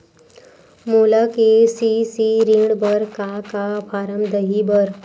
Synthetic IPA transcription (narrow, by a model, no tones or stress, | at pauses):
muləkesisiɾiŋɽbəɾkakafaɾəmd̪əɦibəɾ